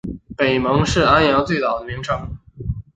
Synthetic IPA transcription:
pe˨˩ɪmɤ˧˥ŋʂɻ̩˥˩a˥njɑ˧˥ʊt͡swe˥˩t̪ɑ˨˩ʊd̪ə˦mi˧˥ŋʈ͡ʂʰɤ˥˩ŋ

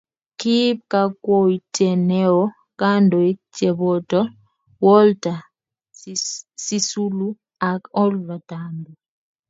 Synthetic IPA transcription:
ki˦p̚ka˦kwo˦i˨tʰɛ˨nɛ˦ɔ˦ | ka˦ndɔ˨i˦t͡ʃɛ˨bɔ˨tɔ˦ | wɔ˦lta˨ | si˦su˦lu˦ | a˨kɔ˦lva˨tandɔ

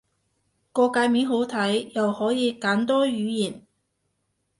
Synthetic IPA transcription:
kɔː˧kaː˨˧jmiː˨˥nɦo˨˥wt̪ʰɐ˨˥jjɐ˨whɔː˨˥jiː˨˧kaː˨˥nt̪ɔː˥jyː˨˧jiː˨˩n

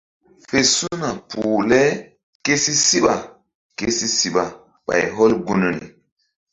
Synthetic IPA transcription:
fe˨su˦na˨puː˨lɛ˦ | ke˦si˦si˦ɓa˨ | ke˦si˦si˦ɓa˨ | ɓa̰˨jɦɔ˦lɡu˦nu˨nḭ˨

